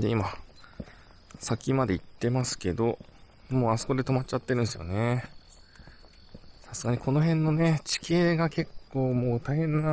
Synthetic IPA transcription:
d̪e̞ima | sakʲimad̪e̞it̪ːe̞masɨ̥ke̞d̪o̞ | mo̞ːaso̞ko̞d̪e̞t̪o̞mat͡ɕat̪ːeɾɯ̟̃nesɨjo̰ne̞ | sasɨɡaɲ̟ikʰo̞no̞ɦẽ̞nːo̞ne̞t͡ɕi̥ke̞ːɡake̞kːo̞ːmo̞ːt̪aihẽ̞nːa

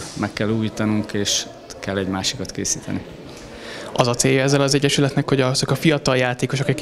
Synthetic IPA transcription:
mʔɛkːɛlːuːjiːt̪ɒnuŋkeːʃ | kɛlːɛɟmaːʃi̥kɒt̪keːsiːt̪ɛ̰ni | ɒzɒt̪seːjːɒɛzːɛlɒzɛɟːɛʃylɛt̪nɛkho̞ɟɒz̥ɒkɒfijɒt̪ɒljaːt̪eːko̞ʃokɒk

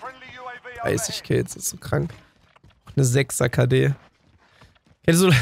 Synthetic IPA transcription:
a̰ɪsɪçkʰɪlt͡sɪsz̥okʁ̥aŋk | ʊxnəzɛksakʰadeː | kʰɛns̬ol

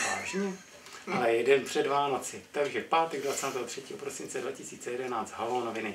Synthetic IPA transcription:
vaːʒɲɛ | ʔalɛjɛdɛnpr̝̥ɛdvaːno̞t͡sɪt̪aɡʒɛfpaːt̪ɛɡdvat͡saːt̪ɛːɦor̝̥ɛciːɦopɾo̞sɪnt͡sɛdvacɪsiːt͡sɛjɛdɛnaːt͡st̪ɦaloːnovɪnɪ

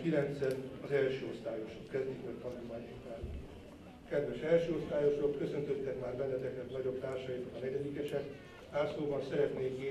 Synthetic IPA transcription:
kilɛnt̪sɛt̪ɒzɛlʃøːost̪aːjo̞ʃokkɛzd̪ikmɒtt̪ɒnulmaːɲiktaːl | kɛd̪ʋɛʃɛlʃøːo̞st̪aːjo̞ʃokkø̞sø̞nt̪ø̞t̪ːɛkmaːrbɛnːɛt̪ɛknɛt̪nɒɟo̞bt̪aːrʃɒjit̪okɒnɛɟɛd̪ikɛʃɛk̪ | aːrsoːbɒnsɛɾɛt̪neːke

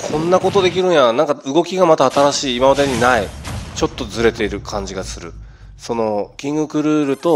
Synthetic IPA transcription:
kʰõ̞nːako̞t̪o̞d̪e̞kʲiɾɯ̟̃ɰ̃janãŋkaɯɡo̞kʲiɡamat̪aːt̪aɾaɕiːmaβad̪aɲ̟inait͡ɕo̞t̪ːo̞zɨɾe̞t̪e̞iɾɯ̟kʰãɲ̟d͡ʑiɡasɨɾɯ̟ | so̞no̞ɡʲĩŋɡɯ̟kɯ̟ɾɯ̟ːɾɯ̟t̪o̞

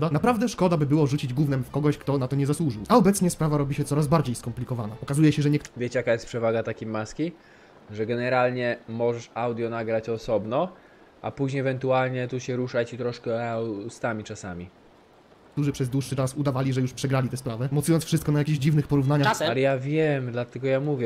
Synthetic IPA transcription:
d̪anapɾavd̪ɛʂkɔd̪abɘbɘwɔʐut͡ɕid͡ʑɡwuvnɛmfkɔɡɔɕkt̪ɔnat̪ɔɲɛzaswuʐɨwaɔbɛt̪sɲɛspɾavaɾɔbʲiɕɛtsɔɾazbaɾd͡ʑejskɔmplʲikɔvanaɔkazujɛɕɛʐɛɲɛkvʲjet͡ɕjakajɛst̪pʂɛvaɡat̪akʲejmaskʲi | ʐɛɡɛnɛɾalɲɛmɔʐɛʂawd̪ʲjɔnaɡɾat͡ɕɔsɔbnɔ | a̰puʑɲejɛvɛnt̪ualɲɛt̪uɕɛɾuʂat͡ɕit̪ɾɔʂkɛst̪amʲit͡ʂasamʲi | t̪uʐɘpʂɛzd̪wuʂːɘt͡ʂasud̪avalʲiʐɛjuʂpʂɛɡɾalʲit̪ɛspɾavɛmɔt̪sujɔnsfʂɘst̪kɔnajakʲiʑd͡ʑivnɘxpɔɾuvnaɲaalɛjavʲjɛmd̪lat̪ɛɡɔjamuvʲjɛ

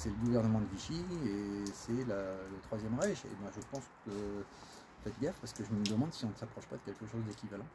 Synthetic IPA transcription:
sɛləɡuvɛʁnəmɑ̃d̪əviʃiesɛlalət̪χwazjɛmʁɛʒḛbɛ̃ʒəpɑ̃skə | fɛt̪̚ɡɛʁpaʁsə̥kəʒəməd̪əmɑ̃d̪siɔ̃nəsapχɔʃpad̪əkʲɛlkəʃozd̪ekʲivalɑ̃

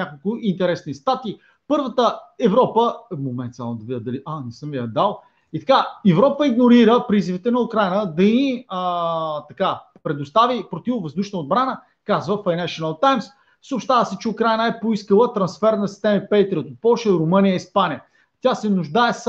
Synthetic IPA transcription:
nʲakolˠkʊʔint̪ɛɾɛsnist̪at̪iː | pɤɾvət̪əɛvɾɔpəmomɛnt̪sa̰lˠd̪ɐvid̪ʲəd̪ɐliʔanɛsəmiɐd̪alˠ | it̪ɐ̥kaɛvɾɔpəiɡnoɾiɾəpɾizivit̪ɛnɐʊkɾajnəd̪ɐiət̪ɐka | pɾɛd̪ʊst̪avipɾot̪ivʊvəzd̪uʃnəod̪̚bɾanə | kazvəfajnɛʃonɐlˠt̪ajms | sopʃt̪avəsɛt͡ʃɛʊkɾajnəɛpoiskəlˠət̪ɾɐnsfɛɾnɐsist̪ɛmipɛjt̪ɾʲiot̪ot̪̚pɔlˠʃəɾʊmənijəispanijə | t̪ʲasɛnʊʒd̪aɛs

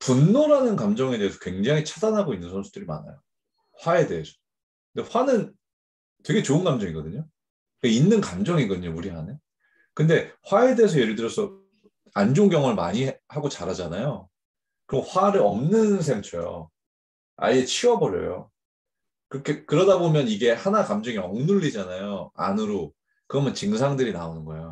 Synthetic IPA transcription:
punːoɾanɯnkamd͡ʑʌŋe̞de̞ːsʰʌkwe̞ŋd͡ʑaŋit͡ɕʰadanɦaɡoinːɯnsʰonsʰu̥dɯɾima̰na̰jo | ɸwae̞de̞ːsʰʌ̥ | kɯndeɸwanɯn | twe̞ɡe̞t͡ɕoɯnɡamd͡ʑʌŋiɡʌdɯɲo | kainːɯnkamd͡ʑʌŋiɡʌdɯɲomuɾiɦane | kɯnde̞ɸwae̞de̞es̬ʰʌje̞ɾɯɭdɯɾjʌsʰʌ | and͡ʑoŋɡjʌŋɯɭma̰ɲihaɡot͡ɕaɾad͡ʑanajo | kɯɾʌɸwaɾɯɭʌmnɯns̬ʰeŋt͡ɕʰojo̰ | a̰ʎːet͡ɕʰiwʌbʌɾjʌ̰jo̰ | kɯɾʌkʰe̞kɯɾʌdabomjʌniɡe̞hanakamd͡ʑʌŋiʌŋnuʎːid͡ʑanajoa̰nɯɾo | kɯɾʌmjʌnt͡ɕiŋsʰaŋdɯɾinaonɯnɡʌejo

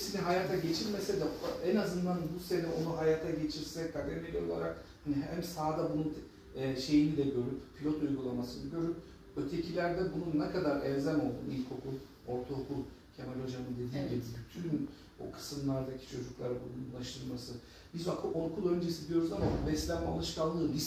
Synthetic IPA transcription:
siniɦajaːt̪ʰaɟe̞t͡ʃʰiɾmesed̪ɛɛnazɯnd̪anbuse̞nɛo̞nuɦajaːt̪ʰaɟe̞t͡ʃʰiɾsɛkʰad̪ɛmelʲio̞̰lˠa̰ɾak | haniɦæmsaːd̪abununː | ʃe̞jinid̪ɛɟø̞ɾyppʰːilʲo̞t̪ujɡulˠamasɯnɯɟø̞ɾyp̚ | ø̞t̪ʰe̞cʰilʲæɾd̪ɛbununːɛkʰad̪aɾɛvzæno̞lˠd̪umilʲkʰo̞kʰulˠ | o̞ɾt̪ʰukʰulˠcʰemelʲo̞d͡ʒamɯnd̪e̞d̪iːɟʲibibyt̪ʰyn | o̰kʰɯ̥sɯmlˠaɾd̪acʰi̥t͡ʃʰo̞d͡ʒuklˠaɾbununlˠaʃt̪ʰɯɾmasɯ | bizbakʰʔoɾkʰulˠø̞nd͡ʒesid̪ijo̞ɾuzamabɛslʲæma̰lˠɯʃkalˠːɯːbiz

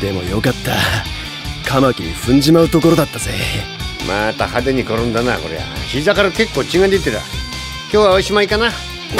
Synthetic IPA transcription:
d̪̥e̞mo̞̰jo̞kat̪ːa̰ | kʰamakʲiɲiɸɯ̟̃ɲ̟d͡ʑimaɯ̟t̪o̞ko̞ɾo̞d̪at̪ːaz̥emat̪ahad̪eɲ̟iko̞ɾõnd̪anako̞ɾe̞̰βa̰çizakaɾake̞kːo̞ːt͡ɕiŋãnd̪eit̪ːeɾa̰ | kʲoːβaoiɕimaikana

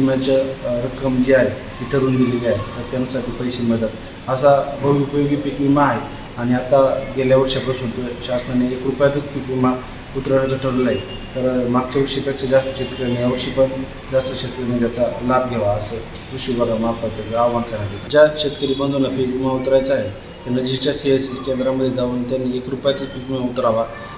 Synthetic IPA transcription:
imat͡ɕaɾəkːəmd͡ʑiaɦe | t̪iːʈʰəɾuːnɡ̪eleliaɦet̪əɾt̪jansaʈʰiːpəjseməd̪ət̪ | əsabʱəʋiupəjoɡiːpikʋimaːɦe | añiat̪aɡeljaʋəɾɕapɾəsɦot̪oeɕasnaneekɾupjat̪ət͡spikʋima | ut̪ɾajat͡saʈʰəɾulaɦi | t̪əɾmaɡ̚t͡ɕaʋuɾɕiːpjakʂəd͡zast̪ə̥ɕet̪kəɾinejaʋəɾɕipəɳ | d͡zast̪əɕet̪̚kəɾimənd̪jat͡salab̚ɡʱeʋaəse | d̪uɕibəɾamaɡ̚pət̪ːekeaʋankʰanad̪et̪ad͡ʑaɕet̪kəɾipəɳd͡z̪ʱonapikimaut̪ɾajt͡saɦe | t̪anːad͡ʑit͡ɕjasiəsiskend̪ɾamːəd̪ʱːjed͡zauːnt̪janːeekɾupjat͡s̪ət͡spikimaut̪ɾaʋa

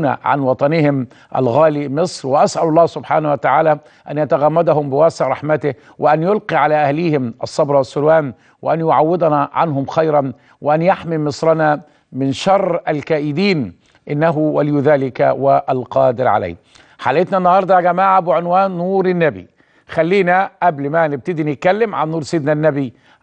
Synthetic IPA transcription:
na̰ʕa̰nwɑt̪ˤɑnɪɦɪm | ʔæ̰lɣaːlimɪsˤɾwɪʔasʔælɑlˤːɑːsʊbħaːnawat̪aʕaːlæ | ʔænjat̪aɣamːad̪aɦʊmbɪwæːsɪʕɾˤɑħmat̪ɪh | wɪʔænjʊlqiːʕalaːʔæhliːhɪmʔɑsˤːɑbɾˤɑwɑsːʊlwaːn | wɪʔænjʊʕawːɪd̪ˤɑnaʕa̰nɦʊmxajɾˤɑn | wɪʔænjaħmimɨsˤɾɑna | mɪnʃɑrˤːalkæːʔɪd̪iːn | ʔɪnːaɦʊwalɪjuðaːlɪka̰waʔælqɑːd̪ɪɾʕa̰la̰ː | ħaːlʔɪt̪næʔnːɑhɑɾˤd̪ˤɑɡæmaːʕabɪʕɪnwaːnːuːɾɪnːæbḭ | xælːiːnæʔæblmænɪb̚t̪ɪd̪inɪt̪̚kælːɪmʕa̰nːuːɾsɪd̪nanːæbi

